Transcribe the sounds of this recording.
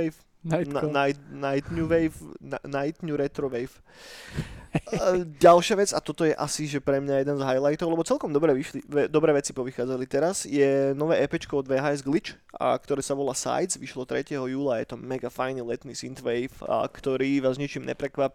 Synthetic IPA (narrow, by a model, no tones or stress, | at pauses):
f | najnajt̪ɲuʋɛjfnanajt̪ɲuɾɛt̪ɾɔʋɛjf | ɟalʃɪaʋɛd͡zat̪ɔt̪ɔjɛʔasiʒɛpɾɛmɲajɛd̪ɛnzɦajlajt̪ɔʊlɛbɔt͡sɛlkɔmd̪ɔbɾɛːʋiʃlid̪ɔbɾɛːʋɛt͡sipɔʋixaːd͡zalit̪ɛɾazjɛnɔʋɛːɛpɛt͡ʃkɔɔd̪ʋɛːɦaːɛzɡlit͡ʃ | kt̪ɔɾɛːsaʋɔlaːsa̰jzʋiʃlɔt̪ɾɛcɛɦɔjuːlaːjɛ̰t̪ɔmɛɡafajnlɛt̪nisint̪ʋɛjfkt̪ɔɾiːʋaːzɲit͡ʃimɲɛ̰pɾɛkʋap